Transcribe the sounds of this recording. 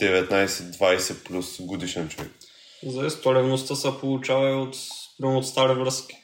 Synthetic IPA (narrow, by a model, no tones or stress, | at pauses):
d̪̥ɛvɛt̪najsɛd̪vajsɛplʲusɡod̪iʃɛnt͡ʃovɛ̰k̚ | zɐɛst̪oɾɛvnost̪əsəpolˠut͡ʃavɐiot̪pɾimoot̪st̪aɾivɾəskʲi̥